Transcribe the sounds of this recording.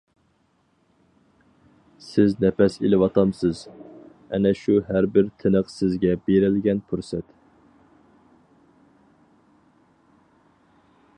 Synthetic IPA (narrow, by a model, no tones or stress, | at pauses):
sɪznɛpɛsilɪwɑt̪ʰɑmsɨz | ɛ̰nɛʃuɦæɾbɪɾt̪ʰɪnəqsɪzɡʲɛbeɾɪlɡʲɛnpʰuɾsɛt̪